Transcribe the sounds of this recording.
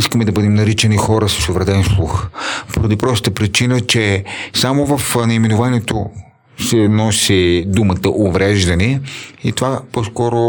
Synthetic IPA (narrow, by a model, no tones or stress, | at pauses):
iskəmɛd̪ɐbɤd̪ɛmnɐɾit͡ʃɛnixɔɾəsə̥sovɾɛd̪ɛnslˠuxpoɾɐd̪ipɾɔst̪ət̪əpɾit͡ʃinət͡ʃɛsamovɐfnɛimɛnʊvaniɛt̪o | sɛnɔsid̪umət̪əʔovɾɛʒd̪ɐniit̪ovaposkɔɾo